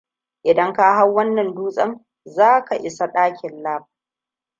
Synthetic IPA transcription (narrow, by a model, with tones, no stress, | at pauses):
ʔɪ˨dɐ˦ŋkaː˦ɦa˦wwɐ˦nːɐ˨nduː˦sʼɐ˦ŋ | zaː˦ka˨ʔɪ˨sa˦ɗaː˦kʲɪ˨nlaː˦ɸa˨